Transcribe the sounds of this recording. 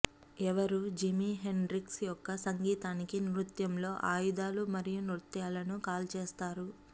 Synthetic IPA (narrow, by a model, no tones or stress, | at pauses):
ɛʋɐɾud͡ʒimiɦe̞nɾiksjɔkːɐsɐŋɡiːt̪aːnikinɾut̪jɐmlo̞ːʔaːjud̪aːlumɐɾijunuɾt̪jaːlɐnukaːlt͡ʃeːst̪aːɾu